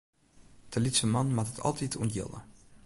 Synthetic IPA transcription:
d̥əlitsəmɑnmatətʰɑ̰lˠtituntjɪ̰lˠə̰

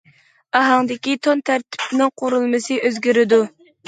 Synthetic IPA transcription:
ɑɦɑŋd̪ɪkʲit̪ʰont̪ʰæɾt̪ʰɪ̥pnɪŋqʰoɾulˠmɨsɨʔøzɡʲiɾɪd̪u

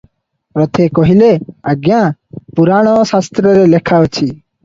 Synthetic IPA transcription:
pɾɔt̪ʰekɔɦileaɡjãpuɾaɽ̃ɔsast̪ɾɔɾelekʰaɔt͡ʃʰi

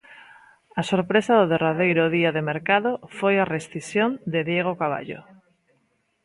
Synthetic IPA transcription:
asoɾpɾesaðʊðeraðejɾʊðiaðemeɾkaðʊfojaresθisjond̪eðjeɣ̞okaβa̰ʎo̰

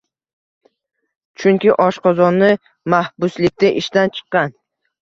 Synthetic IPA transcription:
t͡ʃʰʊŋkʲɪʔɒʃqɒzɒnːɪ | mahbʊslɪk̚ʲt̪ɪʔɪʃt̪ant͡ʃʰɨ̥qːɑn

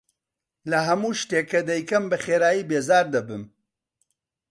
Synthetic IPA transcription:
lɐɦɐmuːʃt̪eːkːɐd̪ɛjkɐmbɐχeːɾaːjiːbeːzaːɾd̪ɐbɨm

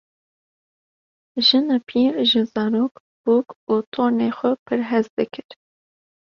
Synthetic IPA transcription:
ʒɨnapʰiːɾʒɨzɑːɾoːk | b̥uːkuːt̪ʰoːneːxʷɛpʰɨɾɦɛzd̪ɨkʰɨɾ

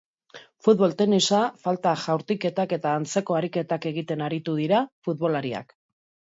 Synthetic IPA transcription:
fut̪βo̞lt̪e̞nisafalt̪aʝawɾt̪ike̞t̪ake̞t̪aːnt͡se̞ko̞aɾike̞t̪ake̞ɣ̞it̪e̞naɾit̪uð̞iɾafut̪̚βo̞laɾia̰k

